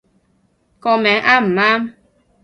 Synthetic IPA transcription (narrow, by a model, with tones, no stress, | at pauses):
kɔ˨mɛ˨˦ʔa˦m̩˨ma˦m